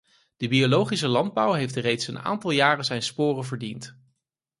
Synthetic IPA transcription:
d̥əbiolowχis̬əlɑnd̚bʌwɦejftrejtsəna̰ːntɑlˠjaːrəzɛjnspʊːrənvəɹdint

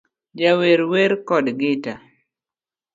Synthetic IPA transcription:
d͡ʒaweɾweɾkɔdɡɪta

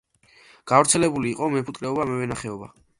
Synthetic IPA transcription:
ɡ̥avɾt̪sʰɛlɛbuliːqʼɔmɛpʰut̪kʼɾɛɔbamɛvɛnaχɛɔba̰

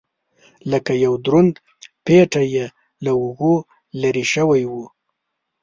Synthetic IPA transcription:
ləkajawd̪ɾʊnd̪ | peʈaje | laʊɣo | laɾiʃəwajwu

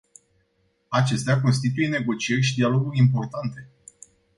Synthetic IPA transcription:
at͡ʃe̞st̪eak̬o̞nst̪it̪uje̞ne̞ɡo̞t͡ʃie̞rʲʃid̪ialo̞ɡurʲimpo̞rt̪ant̪e̞

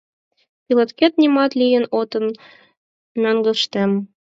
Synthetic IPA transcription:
pʲilˠŏt̪kʲet̪nʲimɑt̪lʲijɘ̆not̪ɤ̆n | mɘ̆ŋɡɤ̆ʃt̪æm

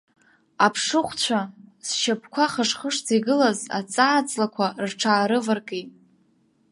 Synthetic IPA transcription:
apʰʂɨχʷt͡ɕʷʰasʃapʰkʷʰaχəʂχəʂt͡siɡɨlaza̰t͡sʼaːt͡sʼlakʷʰarʈ͡ʂʰaːɾɨvɨrkʼejtʼ

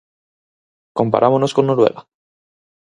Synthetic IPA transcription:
ko̞mpa̰ɾʔamono̞sko̞nːoɾwe̞̰ɣa

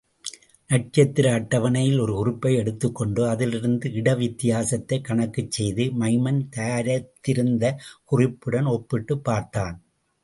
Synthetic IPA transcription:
nɐʈ̚t͡ʃɐt̪ːɪɾɐːʈːɐʋɐnɐjɪlɔɾɯʊrɪpːɐɪɛɽɯt̪ːɯkːɔɳɖɯɐðɪlɪɾɯnd̪ɯɪɽɐʋɪt̪ːɪjaːsɐt̪ːɐɪkɐɳɐkːɯt͡ʃːɛjðɯmɐɪmɐnt̪ɐaːɾɐt̪ːɪɾɯnd̪ɐkʊrɪpːɯɽɐnɔpːɪʈːɯpːaːɾt̪aːn

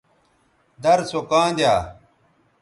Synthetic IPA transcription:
d̪ɐɾsokãːnd̪jaː

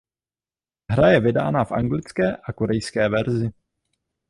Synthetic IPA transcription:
ɦɾajɛvɪda̰ːnafʔa̰ŋɡlɪt͡skɛːʔakoɾɛjskɛːvɛɾzɪ

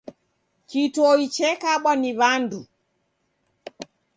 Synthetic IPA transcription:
kituɔit͡ʃɛkaɓwaniβandu

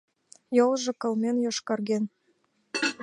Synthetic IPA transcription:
jolˠʒɤ̆kɤ̆lmenjɑʃkɑrɣen

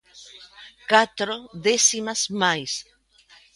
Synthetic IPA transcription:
kat̪ɾoðesimazmajs

